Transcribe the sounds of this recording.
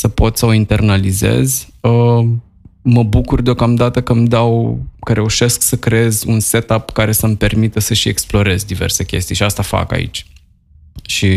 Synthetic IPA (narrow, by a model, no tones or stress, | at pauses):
səpo̞t̪səoint̪e̞rnalize̞̰zʲə | məbukurd̪eo̞kamd̪at̪əkəmd̪awkəɾʔe̞uʃe̞sksəkɾee̞zʲunse̞t̪apkaɾe̞səmpe̞rmit̪əsəʃie̞̰ksplo̞ɾe̞zʲd̪ive̞̰rse̞kʲe̞̰st̪ijʃiast̪afa̰ka̰ḭt͡ʃʲ | ʃi